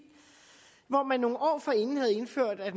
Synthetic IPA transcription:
ʋɒmænːo̝ːŋ̩ʔɒ̰ːfɒe̝nn̩ɦæð̞̩ˠe̝nføɐ̰d̥æd̥m

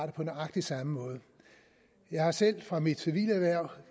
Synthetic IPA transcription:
ɾəpʰɒ̽d̥enɑ̈ɡ̥̚d̥isɑ̈məmɔ̽ːð̞ˠə | jɑ̈ɪhɑ̈sel̰fʁɑ̈mid̥siʋḭːlæʋæɐ̰

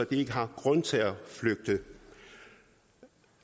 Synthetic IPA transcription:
ɒd̥ie̝ɡ̥əɦɑ̈ɡ̥ʁɔnt͡sʰe̝læfløɡ̥̚d̥ə

